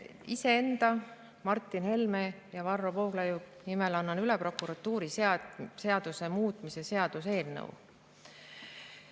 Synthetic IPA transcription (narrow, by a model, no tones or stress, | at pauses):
ise̞end̪̥ɑ | mɑrt̪ːˑinhe̞lme | jɑvɑrːovoːɡ̥lɑjunimelɑnːɑnylepro̞kːuɾɑt̪ːuːɾisse̞ɑd̪̥use̞muːt̪ːˑmise̞se̞ɑd̪̥us̬e̞ːlnɤ̰w̰